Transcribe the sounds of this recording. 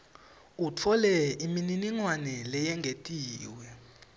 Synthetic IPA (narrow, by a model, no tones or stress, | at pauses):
ut͡fʰɔlɛimininiŋwanɛlɛjɛŋɡʱetʼiːwɛ